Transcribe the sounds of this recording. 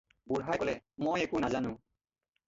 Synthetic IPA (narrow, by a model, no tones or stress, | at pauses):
buɹɦajkɔlɛmojɛkunazanʊ̃